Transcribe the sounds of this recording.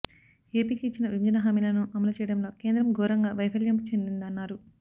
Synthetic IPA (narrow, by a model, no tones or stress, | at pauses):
e̞ːpiːkiːt͡ʃːinɐʋiɲd͡ʒɐnɐɦɐmilɐnuʔɐmɐlɐt͡ʃɛjɐɽɐmlo̞ːke̞ːnd̪ɾɐmɡʱoːɾɐŋɡaːʋɐjpʰɐljɐmkut͡ʃe̞nd̪ind̪ɐnːaːɾu